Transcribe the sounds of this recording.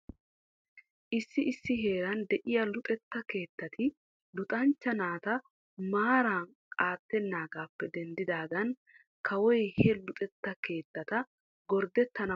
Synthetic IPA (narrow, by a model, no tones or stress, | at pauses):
ʔɪsːɪɪsːɪɦe̞ːɾɐnd̪ɛʔɪjɐlʊt̪ʼɛt̪ːɐke̞ːt̪ːɐt̪ʰɪ | lʊt̪ʼɐnt͡ʃːɐnaːt̪ɐ | maːɾaːn | kʼaːt̪ːɛnːaːɡaːpːɛd̪ɛnd̪ɪd̪aːɡɐn | kʰɐwɔjhɛlʊt̪ʼɛt̪ːɐke̞ːt̪ːɐt̪ɐ | ɡɔɾd̪ɛt̪ːɐnɐ